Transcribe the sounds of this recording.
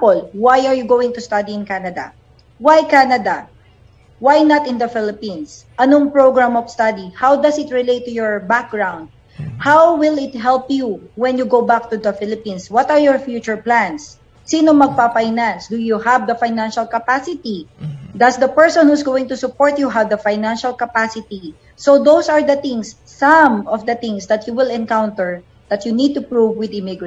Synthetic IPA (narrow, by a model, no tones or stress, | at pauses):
pɔlwajaɹjuɡowɪ̃ŋt̪ʊst̪ad̪iɪ̃nkanɐd̪ɐ̰ | wajkanɐd̪ɐ | wajnɐt̪ɪ̃nd̪ɐfɪlɪpĩns | ʔɐnoŋpɹoɡɹamɔvst̪ad̪ihawd̪ɐsɪt̪ɹɪlejt̪ːʊjɔɹbak̚ɡɹãwnd̪̚ | hawwɪlɪt̪̚ɦɛlpjuwɛ̃njuɡowbak̚t̪ud̪ɐfɪlɪpĩnswɔt̪aɹjɔɹfjuːt͡ʃʊɹplãnsː | inomɐɡ̚pafajnãnsd̪ujuhavd̪ɐfajnãnʃɐlkɐpasɪt̪id̪ɐsd̪ɐpɛɹsɔ̃nhusɡowɪ̃ŋt̪ʊsʊpɔɹt̪juɦavd̪ɐfajnãnʃɐlkɐpasɪt̪i | sod̪owsɐɹd̪ɐθɪ̃ŋsːʌ̃mɔvd̪ɐθɪ̃ŋsd̪ɐt̪juwɪlɛ̃nkawnt̪ɛɹ | d̪̥ɐt̪junid̪̚t̪upɹuvwɪd̪ɪmɪɡɹ